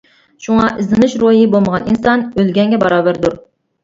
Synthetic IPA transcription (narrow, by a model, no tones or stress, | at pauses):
ʃuŋɑʔɪzɪnɪʃɾojibolˠməʁɑninsɑnølɡʲɛŋɡʲɛbɑɾɑːbæɾd̪uɾ